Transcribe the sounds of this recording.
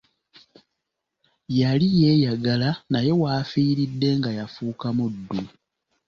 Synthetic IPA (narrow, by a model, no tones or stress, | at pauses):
jalije̞ːjaɡalanaje̞waːfiːɾidːe̞ŋɡajafuːkamudːu